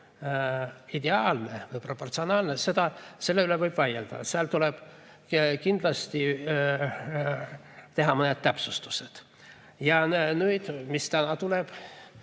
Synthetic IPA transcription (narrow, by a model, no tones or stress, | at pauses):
id̪eɑːlnevɤjpro̞pːo̞rt̪sionɑːlnese̞d̪ɑse̞lːeylevɤjb̥vɑjeld̪̥ɑ̰seɑlt̪uleb̥ | kind̪̥lɑst̪i | t̪e̞ɦɑmoned̪̥̚t̪æpsust̪u̥sed̪̥ | jɑnnyjd̪̥mist̪ænɑt̪uleb̥